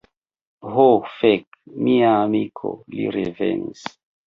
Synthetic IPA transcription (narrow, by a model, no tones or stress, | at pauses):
ɦofekmiaːmikʰo̰liɾevḛnis